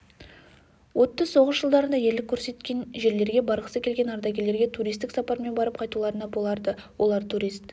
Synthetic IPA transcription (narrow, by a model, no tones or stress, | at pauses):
wo̞t̪ːəzso̞ʁəsʒəlˠd̪ɑɾənd̪ɑje̞ɾlɪkʲʰːɵɾse̞t̪kʲe̞nʒe̞ɾle̞ɾɡʲe̞bɑɾqə̥səkʲʰe̞lɡʲe̞nɑɾd̪ɑɡʲe̞le̞ɾɡʲe̞t̪ʰuɾijst̪ɪksɑpɑɾme̞nbɑɾəp̚qʰɑjt̪ulˠɑɾənɑbo̞lˠɑɾd̪əwʔo̞lˠɑɾt̪ʰuɾijst̪